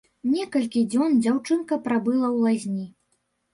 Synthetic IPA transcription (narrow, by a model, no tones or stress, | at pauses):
nʲɛkɐlʲkʲid͡zʲɔnd͡zʲawt͡ʂɨnkɐpɾabɨlˠɐwlˠazʲnʲi